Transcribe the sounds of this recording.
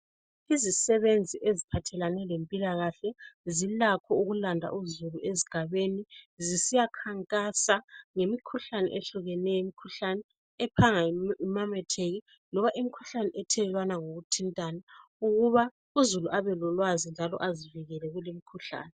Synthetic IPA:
izisɛβend͡zʱiʔezipʰatʰɛlanɛlempʼilaɣaɬɛzilakʰɔuɣulandʱa̰ʔuzulueziɡ̥ʱaβenizisijakʰaŋkʼasaŋemikʰuɬanɛ̰ʔɛɬuɣɛnɛjemikʰuɬanɛ | ɛpʰaŋaimamɛtʰeɣi | nɔβaʔimikʰu̥ɬanɛʔɛtʰɛɛlwanaŋoɣutʰintʼana | uɣuβa | uzuluʔaβɛlɔlwazind͡ʒʱalɔ̰ʔaziviɣɛlɛɣulimikʰuɬa̰ːnɛ

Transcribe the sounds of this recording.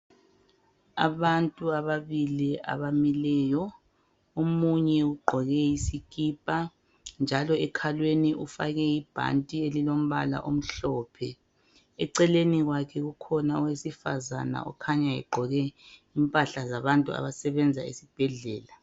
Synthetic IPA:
a̰βantʼuaβaβiliʔa̰βamilɛːjɔ | omuɲɛuɡ͡ǃʱɔɣɛjisikʼiːpʼa | nd͡ʒʱalɔɛkʰalweniʔufa̰ɣɛib̥ʱa̰ntʼielilom̩βala̰ʔom̩ɬɔːpʰɛ | ɛǀɛleniɣwakʰɛɣukʰɔnaɔwesifaza̰na̰ɔ̰kʰaɲaɛ̰ɡ͡ǃʱɔɣɛimpʼaɬazaβantʼṵa̰βasɛβɛnd͡zʱa̰ḛsib̥ʱɛɮɛːla

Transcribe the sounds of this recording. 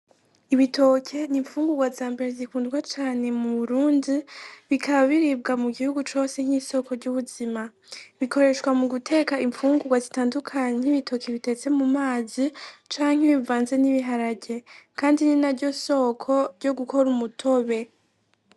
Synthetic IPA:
iβito̞kʰe̞niɱfuːŋɡuɡwazaːmbe̞ɾezikuːndɡwat͡ʃaːne̞muβuɾuːndiβikʰaβaβiɾib̚ɡamuɡihuɡut͡ʃo̞ːse̞ŋ̥hiso̞kʰo̞ɾɟuːβuz̥ima | βikʰo̞ɾe̞ʃwamuɡutʰe̞ːkaiɱfuːŋɡuɡwazitaːndukʰaɲeiβitʰo̞keβite̞t͡se̞mumaːzit͡ʃaːŋ̥heβivaːnze̞niβiɦaɾaɟe̞kaːndininaɾɟo̞so̞kʰo̞ɾɟo̞ɡuko̞ɾumutʰo̞βe̞

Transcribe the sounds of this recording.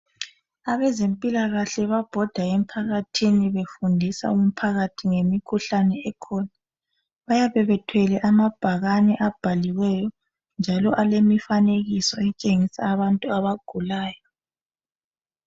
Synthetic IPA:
aβɛzempʼilaɣaɬɛβab̥ʱɔd̥ʱaem̩pʰaɣatʰiniβefundʱisa̰um̩pʰaɣatʰiŋemikʰuɬanɛɛkʰɔna | βajaβɛβɛtʰwɛlɛʔamab̥ʱaɣanɛʔab̥ʱaliwɛjɔ | nd͡ʒʱalɔʔalemifaneɣisɔɛt͡ʃʼeŋisaːβantʼuaβaɡ̥ʱulaːjɔ

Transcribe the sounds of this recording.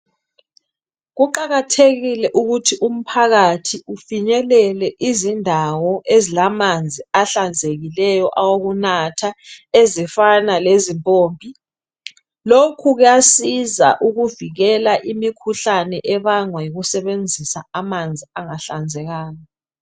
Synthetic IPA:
ɣuǃaɣatʰeɣilɛʔuɣutʰiʔum̩pʰaɣatʰiufiɲɛlɛlɛʔizindʱawɔʔezilamand͡zʱiaɬand͡zʱeɣilɛjɔʔawoɣunatʰaezifanalezimpʼoːmbʱi | lokʰuɣujasiza̰ʔuɣuviɣɛlaʔimikʰuɬanɛʔɛβaŋwajiɣusɛβend͡zʱisa̰amand͡zʱiaŋaɬand͡zʱɛɣaːjɔ

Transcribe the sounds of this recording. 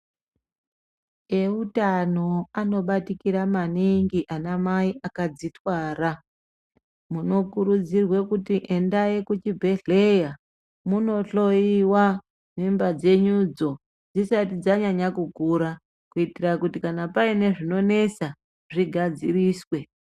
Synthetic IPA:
e̞utano̞ano̞ɓatikiɾamaniŋɡiʔanamaiʔakad͡zitwaːra | muno̞kuɾud͡zirwe̞kutiʔe̞ndaekut͡ʃibʱe̞ɮe̞ja | muno̞ɬo̞iwa | nimbad͡ze̞ɲud͡zo̞ | d͡zisatid͡zaɲaɲakuɡʱuɾa | kuitirakutikanapaine̞ʐino̞ne̞t͡sa | ʐiɡʱad͡ziriːswe̞

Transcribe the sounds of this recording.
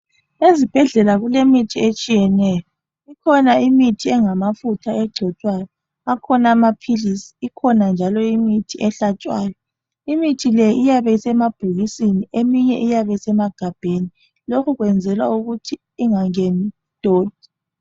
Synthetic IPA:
ezib̥ʱɛɮɛlaɣulemitʰiet͡ʃʼijɛnɛjɔ | ikʰɔnaimitʰiɛŋamafutʰaɛɡ͡ǀʱɔt͡ʃʼwajɔ | akʰɔnaamapʰilisi̥ːkʰɔnand͡ʒʱalɔimitʰiʔɛɬat͡ʃʼwaːjɔ | imitʰilɛijaβɛisɛmab̥ʱuɣisiniʔemiɲɛʔijaβɛisɛmaɡ̥ʱab̥ʱeni | lokʰuɣwɛnd͡zʱɛlwa̰uɣutʰiːŋaŋɛn | tʼoːd̥̚ʱi̥

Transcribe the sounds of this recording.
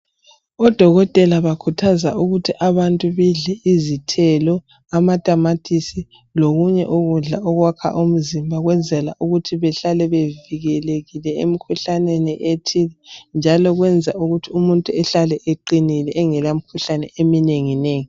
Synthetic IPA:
ɔd̥ʱɔɣɔtʼɛlaβakʰutʰazaʔuɣutʰiʔaβantʼuβiɮɛʔizitʰɛlɔ | amatʼamatʼʰisi | loɣuɲɛ̰ʔuɣuɮaʔɔɣwakʰa̰ʔum̩zimbʱaɣwɛnd͡zʱɛlaʔuɣutʰiβɛɬalɛβeviɣɛleɣilɛḛmikʰuɬaneniʔetʰilɛnd͡ʒʱalɔɣwɛnd͡zʱauɣutʰiumuntʼuɛɬalɛʔeǃinilɛʔːŋɛlam̩kʰuɬanɛʔemineŋineːŋi

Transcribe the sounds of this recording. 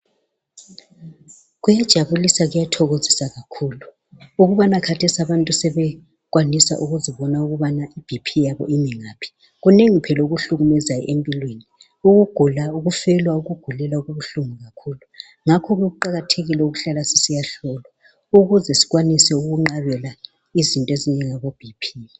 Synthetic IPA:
ɣujad̥ʒ̥ʱaβulisaɣujatʰɔɣozisaɣakʰuːlu | uɣuβanakʰatʰesiaβantʼusɛβɛ | ɣwanisa̰ʔuɣuziβɔnauɣuβanaʔib̥ʱipʰijaβɔ̰imɛŋaːpʰi̥ | ɣuneŋipʰɛlɔuɣuɬuɣumɛzajɔ̰ʔempʼilweni | uɣuɡ̥ʱulauɣufɛlwauɣuɡ̥ʱulɛlauɣuβuɬumɔɣakʰulu | ŋakʰɔɣɛɣuǃaɣatʰeɣilɛuɣuɬalasi̥sijaɬɔlwa | uɣuzɛsi̥ɣwanisɛuɣuŋ͡ǃaβɛla | izintʼeziɲɛŋaβob̥ʱipʰi

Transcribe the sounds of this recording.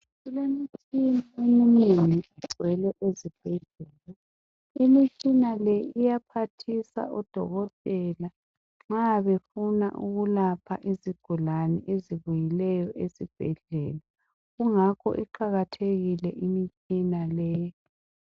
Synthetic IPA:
ɣulemitʰʼiniemininiʔiɡ͡ǀʱwɛlɛʔezib̥ʱɛɮɛːla | imit͡ʃʼinalɛijapʰatʰisa̰ʔɔd̥ʱɔ̰ɣɔtʼɛla | ŋ͡ǁaβefuna̰ʔuɣulapʰaʔiziɡ̥ʱulanɛʔeziβujilɛjɔʔezib̥ʱɛɮɛːla | ɣuŋakʰɔ̰ʔiǃʰaɣatʰeɣilɛʔimit͡ʃʼinalɛ

